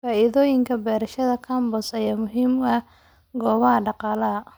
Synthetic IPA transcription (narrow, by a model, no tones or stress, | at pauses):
faːɪðɔːjɪŋkʰɐbɛːɾɐʃɐðɐkʰɐːmbɔsɐjaːmʊɦiːmɐ | ɡɔːβɐɦɐɖɑqɑːlɐɐ